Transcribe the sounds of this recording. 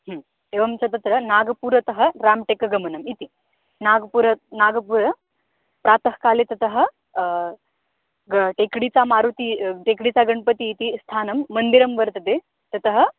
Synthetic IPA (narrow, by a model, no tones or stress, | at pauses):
ɦəm | eʋɐmsɐt̪ɐt̪ɾɐnaːɡɐpuːɾɐt̪ɐɦə̆ɾaːmʈekɐɡɐmɐnɐmit̪i | naɡpuɾɐnaɡɐpuːɾɐ | pɾaːt̪əɦkaːlet̪ɐt̪əɦə̆ | ɡʈekɽit͡samaːɾut̪iʈekɽit͡saɡɐɳpət̪iːt̪ist̪ʰaːnɐmːɐnd̪iɾɐmʋəɾt̪ɐd̪e | t̪ɐt̪əɦə̆